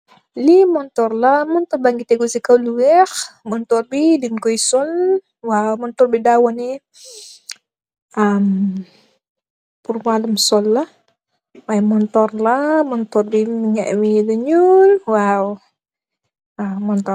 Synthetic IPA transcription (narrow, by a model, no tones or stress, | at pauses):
limɔnt̪ɔrlamɔnt̪ɔrbaŋɡit̪eɡusikauluwɛxmɔnt̪ɔrbidinkɔisɔn | wawmɔnt̪ɔrbidawani | am | purmalumsɔlːa | maimɔnt̪ɔrlamɔnt̪ɔrbinŋɛʔwidəɲunwaw | amɔnt̪ɔ